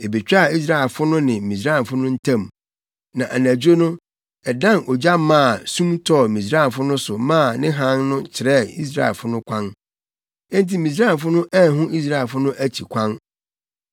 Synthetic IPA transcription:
e˨be˨t͡ɕᶣa˦˨i˦s̬ɾa˦˨ɛ˨lfʊ˦nʊ̃˦nɪ̃˨mĩ˨s̬ɾa˦˨fʊ˦nʊ̃˦n̩˦tʰã˦˨m | nã˨ʔæ˨næ̃˨d͡ʑo˦nʊ̃˦ | ɛ˨dã˦˨nɔ˨d͡ʑa˦mːãː˦˨sũ˦mtʰɔ˦˨mĩ˨s̬ɾa˦˨nfʊ˦nʊ̃˦sʊ˨mãː˦˨nɪ̃˦ɦã˦nnʊ̃˦t͡ɕʰɪ˨ɾɛ˦i˦s̬ɾa̰˦˨ɛ̰˨lfʊ˦nʊ̃˦kʷʰã˦n | ɛ̃˦n˦ti˨mĩ˨s̬ɾa˦˨fʊ˦nʊ̃˦ʔæ˦˨ɦʊ̃˦ʔi˦s̬ɾa˦˨fʊ˦nʊ̃˦ʔæ˦t͡ɕʰi˨kʷʰã˦n

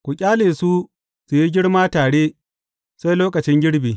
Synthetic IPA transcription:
kʷu˨kʲʼaː˦leː˨su˦ | su˨ji˦ɡʲɪ˦ɽmaː˦taː˨ɽeː˦ | sa˦jloː˦kɐ˨t͡ʃɪ˦ŋɡʲɪ˦ɽbiː˨

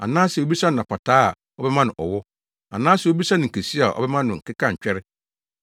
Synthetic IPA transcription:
a̰˨nãː˦sɛ˨o˦bi˦sã˦nɪ̃˨ã˨pʰa˨tʰaː˦a̰˨ | ɔ˦bɛ˦mã˦nʊ̃˨ʔɔ˨wɔ˦ | a̰˨nãː˦sɛ˨o˦bi˦sã˦nɪ̃˨ŋ̩˨kʰe˨si˦a˨ʔɔ̰˦bɛ˦mã˦nʊ̃˨ŋ̩˨kʰɪ˦kã˦ɲ̩˨t͡ɕᶣɛ˦ɾɪ˦

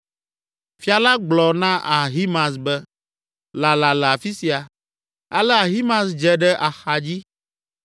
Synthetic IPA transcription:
fi˦a˨la˦ɡ͡blɔ˨nã˦ʔa˨ɦi˦mã˨s̬bɛ˦ | la˨la˨lɛ˨a˨fi˦si˨a˨ | a˦lɛ˦a˨ɦi˦mã˨sd͡ʒɛ˨ɖɛ˦ʔa˨xa˨d͡ʑi˦

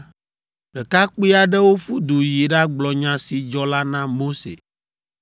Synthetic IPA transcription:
ɖɛ˨ka˦k͡pi˦a˨ɖɛ˦wo˦fu˦d̪u˨ji˨ɖa˦ɡ͡blɔ˨ɲã˨si˨d͡ʒɔ˦la˦nã˦mo˦sḛ˨

